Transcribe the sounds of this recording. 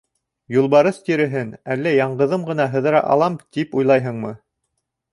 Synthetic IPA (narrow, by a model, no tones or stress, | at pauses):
julˠβɑɾɤθt̪iɾɘ̆ɦɘnælːæjɑɴɢɤ̆ðɤmɢɤ̆nɑɦɤ̆ðɤ̆ɾɑ̰ʔɑ̰lˠɑmt̪ipujlˠɑjɦɤ̆ɴmɤ